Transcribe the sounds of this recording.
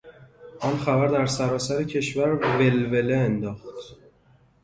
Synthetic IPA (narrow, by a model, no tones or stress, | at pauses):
ʔɒnxæbæɾd̪æɾsæɾɒːsæɾecʰe̞ʃvæɾve̞lve̞leend̪ɒːxt̪